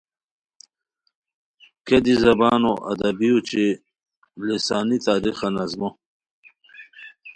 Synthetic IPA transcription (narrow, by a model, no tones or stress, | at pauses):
ked̪izɐbaːnoʔɐ̰d̪ɐbijut͡ɕe | lisaːnit̪aːɾixɐnɐzmo